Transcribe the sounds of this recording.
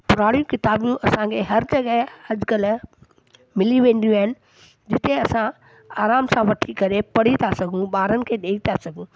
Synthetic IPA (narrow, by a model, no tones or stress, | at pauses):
pʊɾaːɽijũkɪt̪aːbjũʔɐsãkʰeɦɐɾd͡ʑɐɠəɦɐd͡ʒkəl | mɪliʋẽːnd̪ijũaːɦɪnɪ̆ | d͡ʑɪt̪eɐsã | aːɾaːmsãʋɐʈʰikɐɾepɐɽ̤it̪ʰasɐɡʱũɓaːɾənɪ̆kʰeːɗeːit̪ʰasɐɡʱũː